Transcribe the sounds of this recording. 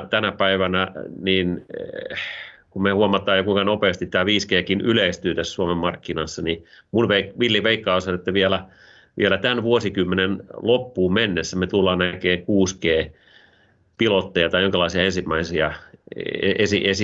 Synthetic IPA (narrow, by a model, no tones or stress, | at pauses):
t̪ænæpæiʋænæniːn | kummehuomɑt̪ːˑɑːjɑkuikɑnopeːst̪it̪t̪æːʋiːskeːkinyleist̪yːt̪æssuomemmːɑrkːinɑsːɑni | munʋeikʋilːjiʋeikːɑːˑosonet̪ːæʋielæ | ʋḭelæt̪ænʋuosikymːenenlopːuːmenːesːæmet̪ulːɑːnækeːkuːskeː | pilot̪ːejɑt̪ɑijoŋkælɑisiɑensimːæisiɑ | eesiʔesi